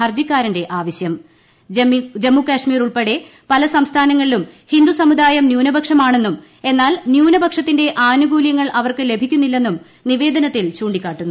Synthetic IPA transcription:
ɐrd͡ʑikʲːaːɾɐnde̞ʔaːʋɐɕjɐm | d͡ʑemːukaːʂmiːruɭpeɽe̞ | pɐlɐsɐmst̪ʰaːnɐŋːɐɭilumhind̪usɐmud̪aːjɐmnjuːnɐbʱɐkʂɐmaːɳe̞nːum | e̞nːaːlnjuːnɐbʱɐkʂɐt̪ːinde̞ʔaːnuɡuːljɐŋːɐɭʔɐʋɐrkɨle̞bʱikʲːunːilːe̞nːum | niʋe̞ːd̪ʱɐnɐt̪ːilt͡ɕuːɳɖikʲːaːʈːunːu

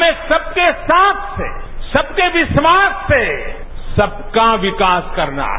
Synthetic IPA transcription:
mẽsɐb̚kesaːt̪ʰsḛ | sɐb̚keʋɪʃʋaːsːe | sɐb̚kaʋɪkaːskɐɾna̰

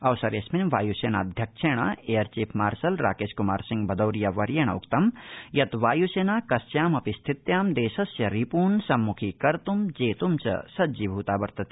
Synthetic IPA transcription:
ɐwsɐɾjesminʋaːjuseːnaːd̪ʱjɐk̚ʂʰeːɳ̃ɐ̰eːɐɾt͡ʃiːpʰmaːɾsɐlɾa̰ːkeːskuma̰ːɾsiŋɡbʱɐd̪ɐwɾijɐʋɐɾjeːɳ̃ɐ̰ṵkt̪ɐmjɐt̪ʋaːjuseːnaːkɐsjaːmɐpist̪ʰit̪jaːmd̪eːsɐsjɐɾipuːnsɐmːukʰikɐɾt̪umd͡ʒeːt̪umt͡ʃɐ̰sɐd̪d͡ʒibʱuːt̪aːbɐɾt̪ɐt̪i̥

